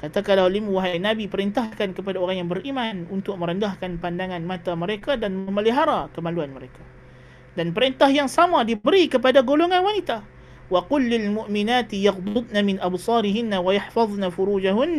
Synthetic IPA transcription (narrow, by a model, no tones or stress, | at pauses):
kat̪akalahlimuwaɦajnabipəɾint̪ahkankəpadaoɾaŋjaŋbəɾʔimanunt̪ʊk̚mə̃ɾəndahkanpandaŋanmat̪aməɾekadanməməliɦaɾakəmaluanməɾekḁ | danpəɾint̪ahjaŋsamadibəɾikəpadaɡoloŋanwanit̪a | waqʊlːɪlmʊʔminat̪ijɑqd̪ʊd̪̚namɪnʔabsˤɑːɾiɦinːawajaħfɑðˤnafuɾuːd͡ʒaɦunː